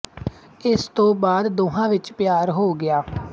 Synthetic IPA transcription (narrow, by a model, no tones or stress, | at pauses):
ɪst̪õːbaːd̪d̪oːɦãːʋɪt͡ʃpjaːɾɦoːɡɪjaː